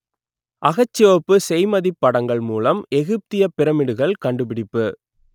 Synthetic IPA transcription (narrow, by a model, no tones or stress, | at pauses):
ʔɐɣɐt͡ʃːɪʋɐpːɯsɛjmɐðɪpːɐɽɐŋɡɐɭmuːlɐmɛɣɯp̚t̪ɪjɐpɪɾɐmɪɽɯɣɐɭkɐɳɖɯpɪɽɪpːɯ